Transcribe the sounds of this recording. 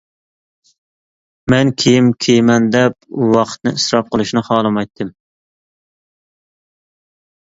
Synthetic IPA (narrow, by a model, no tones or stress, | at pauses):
mɛnkʲʰejimkʲʰejmɛnd̪ɛp̚uwɑqʰə̥t̪̚nɨ̰isɾɑp̚qʰəlˠuʃnɨχɑːlˠɨmɑjt̪ʰːɨm